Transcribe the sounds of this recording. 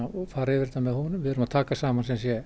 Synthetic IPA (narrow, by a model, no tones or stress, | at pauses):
ɔfaːɾɪvɪɾt̪amɛðhɔnʏmvɪðʏɾʏmat̪ʰaːkasaːmansɛmsjɛ